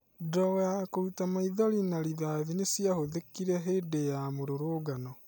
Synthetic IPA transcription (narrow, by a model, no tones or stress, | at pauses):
dɔwakoutamaiðɔɾinaɾiðaːðinesiahoðekːiɾɛɦeːdejamoɾoɾoːɡanɔ